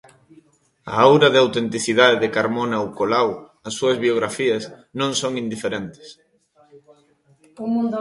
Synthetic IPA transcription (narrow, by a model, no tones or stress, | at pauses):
a̰awɾɐðɪawt̪ent̪iθiðaðeðɪkaɾmonaowkolaw | ɐsːuɐzβioɣɾafiɐsnõŋsoŋind̪ifeɾent̪ɪ̥s